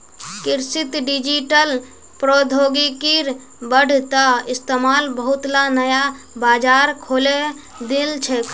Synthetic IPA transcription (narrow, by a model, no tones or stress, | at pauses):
kɪɾsit̪ɖid͡ʒiʈəl | pɾod̪ʱoːɡikiɾ | bəɽ̤ʱt̪aɪst̪emaːlbəɦut̪lanəja | baːd͡ʒaːɾkʰoːle | d̪ilt͡ʃʰɛk